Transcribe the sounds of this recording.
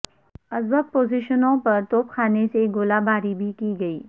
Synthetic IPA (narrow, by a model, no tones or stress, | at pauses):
ɐzwək̚poːziʃənõpɐɾt̪oːp̚kʰaːneseɡoːlabʱaːɾibʱikiɡɐiː